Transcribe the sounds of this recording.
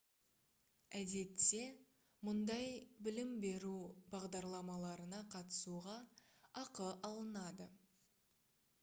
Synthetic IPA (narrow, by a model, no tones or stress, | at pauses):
æd̪e̞t̪ːe̞ | mʊnd̪ɑjbɪlɪmbe̞ɾubɑʁd̪ɑɾlˠɑmɑlˠɑɾənɑqʰɑt̪ə̥suʁɑ | ɑqəʔɑlˠənɑd̪ə